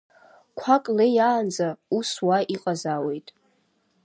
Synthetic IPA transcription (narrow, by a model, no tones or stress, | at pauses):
kʷʰakʼlejaːnd͡zauswaʔiqʼazawe̞jtʼ